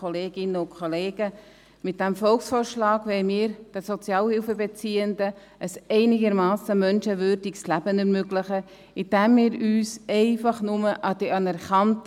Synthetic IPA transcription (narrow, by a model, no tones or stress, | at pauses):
ɔleːɡɪnəʊkʰχɔleːɡ̥ə | mɪt̚d̥æmfɔlksfoːɾʃlɑːɡʋɛɪmiːɾd̥ɛsɔt͡sjɑːlhɪlfəbet͡siːəndə | ʔəsɛɪnɪɡəɾmɑːsəmœnʃəvʏːɾdiɡslæb̥ənɛɾmøɡlɪχə | ɪd̥æmːiːɾyːsɛɪfɑχnʊməʔɑd̥iɑnɛɾχɑnt